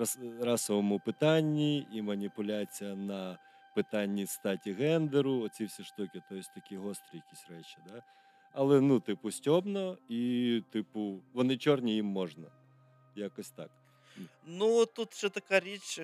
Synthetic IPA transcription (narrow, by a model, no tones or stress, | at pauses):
rɑsɔʋɔmʊpɪt̪ɑnʲːiimɐnʲipʊlʲat͡sʲijɐnɐ | pɪt̪ɑnʲːist̪ɑtʲiɣɛnd̪eɾʊɔt͡sʲiwsʲiʃt̪ɔkʲɪt̪ɔjsʲt̪ɐkʲiɦɔst̪ɾʲɪjɐkʲisʲrɛt͡ʃʲid̪a | ɐlˠɛnut̪ɪpʊsʲtʲɔbnɔit̪ɪpʊʋɔnɪt͡ʃɔrnʲijimːɔʒnɐ | jakɔsʲt̪ɑ̰k | nut̪ut̪ʃɛt̪ɐkaɾʲit͡ʃ